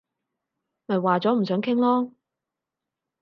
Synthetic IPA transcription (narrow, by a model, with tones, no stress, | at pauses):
mɐ˨jwaː˨t͡sɔː˨˥m̩˨˩sœː˨˥ŋkʰɪ˥ŋlɔː˥